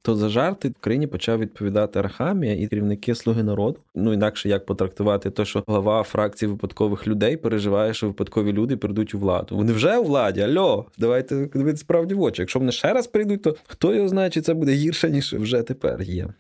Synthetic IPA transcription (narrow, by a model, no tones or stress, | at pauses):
t̪ɔzɐʒɑrt̪ɪʊkɾɐjinʲipɔt͡ʃɑwʋʲid̪̚pɔʋʲid̪ɑt̪ɪɐɾɐxɑmʲijɐʔiɾʲiwnɪkɪslˠuɦɪnɐɾɔd̪ʊnuinɑkʃɛjɐk̚pɔt̪ɾɐk̚t̪ʊʋɑt̪ɪt̪ɛʃt͡ʃɔɦlˠɐʋɑfɾʔɑkt͡sʲijʋɪpɐd̪kɔʋɪxlʲʊd̪ɛjpeɾeʒɪʋɑjɛʃt͡ʃɔʋɪpɐd̪kɔʋʲilʲud̪ɪpɾɪjd̪utʲuʋlˠɑ̰d̪ʊʋɔnɪwʒɛʊʋlˠɑdʲiɐlʲɔd̪ɐʋɑjt̪ɛd̪ʋɪt̪ɛspɾɑwdʲiʋɔt͡ʃijɐkʃɔʋɔnɪʃt͡ʃɛɾɐspɾɪjd̪ut̚ʲt̪ɔxt̪ɔjɔɦɔznɑjt͡ʃɪtʲt̪sɛbud̪ɛɦirʃɛnʲiʃwʒɛt̪epɛ̰rjɛ̰